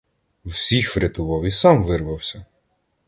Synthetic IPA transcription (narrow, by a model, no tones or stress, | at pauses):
wsʲixfɾʲet̪ʊʋɑwisɑmʋɪrʋɐwsʲɐ